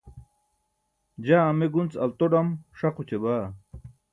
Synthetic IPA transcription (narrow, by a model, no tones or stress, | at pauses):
d͡ʑaːmeɡunt͡sɐlt̪oɖamʂaqut͡ɕebaː